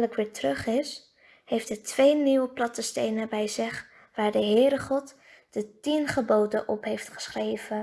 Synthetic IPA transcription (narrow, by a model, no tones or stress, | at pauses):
ləkʋɪːɹtrɵχɪs | hejftətʋejniwəplɑtəstejnəbɛjzɪχ | ʋaːɹdəɦɪːɾəχɔt | d̥ətinχəbowdəʔɔpɦejftχə̥sχrejvə